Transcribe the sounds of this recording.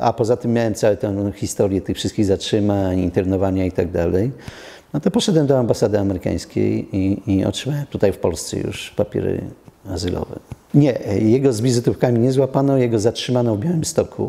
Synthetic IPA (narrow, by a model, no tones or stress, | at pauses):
ʔa̰pɔzat̪ɘmːjawɛmt̪sawɛt̪ɛ̃xʲist̪ɔɾjɛt̪ɘxfʂɘst̪kʲiɣzatʂɘmaɲint̪ɛɾnɔvaɲait̪aɡ̚d̪alɛj | nɔt̪ɔpɔʂɛd̪wɛmd̪ɔambasad̪ɘamɛɾɘka̰j̃skʲḛjiiɔ̰tʂɘmawɛmt̪ut̪ajfpɔlst̪sɛ̰jṵʂpapʲjɛ̰ɾɘ̰azɘlʔɔ̰vɛ̰ | ɲɛjɛɡɔzvʲizɘt̪ufkamʲiɲɛzwapanɔjɛɡɔzatʂɘmanɔvbjawɘmst̪ɔkʰṵ